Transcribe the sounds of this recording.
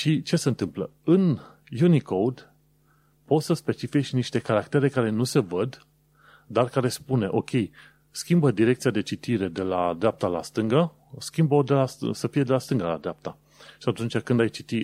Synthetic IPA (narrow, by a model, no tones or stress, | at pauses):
ʃit͡ʃe̞se̞ɨnt̪ɨmplə̰ | ɨn | junikʰowd̪ | po̞t̪səspe̞t͡ʃifiʃʲniʃt̪e̞kaɾakt̪e̞ɾe̞kaɾe̞nuse̞vəd̪ | d̪arkaɾe̞spune̞ʔo̞kʲe̞j | skʲimbəd̪iɾe̞k̚t̪sijad̪e̞t͡ʃit̪iɾe̞d̪e̞lad̪ɾeap̚t̪ala̰st̪ɨŋɡə | skʲimbəod̪e̞lassəfije̞d̪e̞last̪ɨŋɡala̰d̪ɾeap̚t̪a | ʃiat̪unt͡ʃʲakɨnd̪ajt͡ʃit̪i